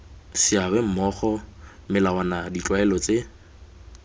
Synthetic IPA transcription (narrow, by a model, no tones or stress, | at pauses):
sɪabɛm̩mɔχɔmɪlawanadit͡ɬʼwaɛlɔt͡sʼe